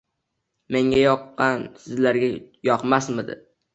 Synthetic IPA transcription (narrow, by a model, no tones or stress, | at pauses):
meŋʲajɒqːɑnsɪzlaɾɡʲajɒqmasmɪd̪ɪ̰